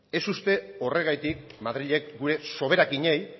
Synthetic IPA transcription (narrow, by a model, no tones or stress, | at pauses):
e̞sust̪e̞o̞re̞ɣajt̪ikmaðɾiʎe̞kɡuɾe̞so̞β̞e̞ɾakiɲej